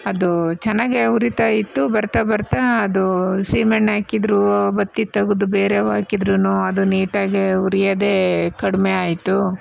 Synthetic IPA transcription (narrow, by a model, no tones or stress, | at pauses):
ɐd̪ut͡ʃɐnːaːɡeuɾit̪aːjit̪ːubɐɾt̪ɐbɐɾt̪aːd̪usiːmeɳʈɦaːkid̪ɾubɐt̪ːit̪ɐɡud̪ube̞ːɾeːʋaːkid̪ɾunoːɐd̪uniːʈaːɡeuɾijɐd̪e̞ːkɐɽmeaːjit̪ːu